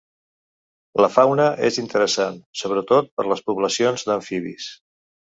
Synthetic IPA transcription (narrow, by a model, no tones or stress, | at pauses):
ləfawnəʔezint̪əɾəsansoβɾət̪ot̪̚pəɾləspuβləsionzd̪əɱfiβḭs